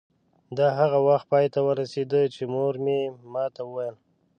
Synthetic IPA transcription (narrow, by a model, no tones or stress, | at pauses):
d̪ɑɦaɣawaxt̪̚pɑjt̪awəɾased̪ət͡ʃemoɾmemɑt̪awəwajəl